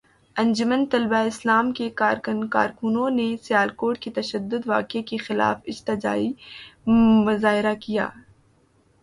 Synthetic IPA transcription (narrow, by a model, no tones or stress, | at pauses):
ɐ̃nd͡ʒʊmənt̪ɐlbaɪslaːmkekaːɾkʊnka̰ːɾkʊnõnesjaːlkoːʈ̚ket̪ɐʃəd̪ːʊd̪ʋaːkekexɪla̰ːfɪd͡ʒt̪ɪd͡ʒa̰ːi | mʊzaːɦɪɾakija̰ː